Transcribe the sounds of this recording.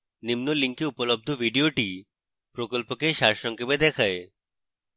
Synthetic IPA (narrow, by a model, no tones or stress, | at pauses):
nimnoliŋkiupolob̚d̪ʱovʱiɖioʈi | pɾokolpokeʃaɾʃɔŋkʰebed̪ɛkʰae